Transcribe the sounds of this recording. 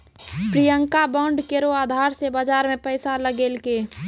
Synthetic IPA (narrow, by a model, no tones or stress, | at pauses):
pɾijəŋkabaːɳɖkeɾoaːd̪ʱaːɾsebad͡ʒaːɾmẽpəɪsaləɡeːlke